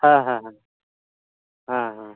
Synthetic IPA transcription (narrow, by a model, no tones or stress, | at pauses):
hãɦãɦã | ɦãɦã